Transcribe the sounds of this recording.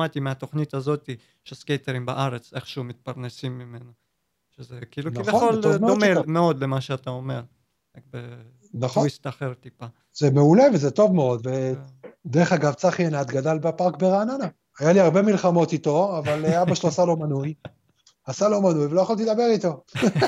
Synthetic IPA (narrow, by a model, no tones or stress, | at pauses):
mat̪imeat̪o̞χnit̪azo̞t̪i | ʃeskejt̪eʁimbaʔaʁet͡seχʃeumit̪̚paʁnesimːimena | ʃezekiiluknivjaolmeomemeo̞d̪lemaʃeat̪aome̞ʁ | akbe | naχoist̪aχeʁt̪ːipa | zeme̞ule̞vezet̪o̞vmeo̞d̪ved̪eʁeχaɡavt͡saχienat̪ɡad̪albapaʁk̚beʁaːnana | ajaliaʁbe̞milχamo̞t̪it̪o̞avaleabaʃeloasalo̞manuj | asalo̞manujvelojaχalt̪id̪abe̞ʁit̪o̞